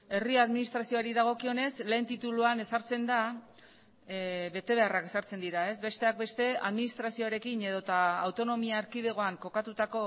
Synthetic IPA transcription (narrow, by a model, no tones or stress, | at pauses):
e̞riaðminist̪ɾasio̞aɾiðaɣ̞o̞kio̞ne̞sle̞ːnt̪it̪uluane̞saɾt͡se̞nd̪a | be̞t̪e̞β̞e̞arake̞saɾt͡se̞nd̪iɾae̞sbe̞st̪e̞ak̚be̞st̪e̞aðminist̪ɾasio̞aɾe̞kine̞ð̞o̞t̪aːwt̪o̞no̞miaːɾkiðe̞ɣ̞o̞aŋko̞kat̪ut̪ako̞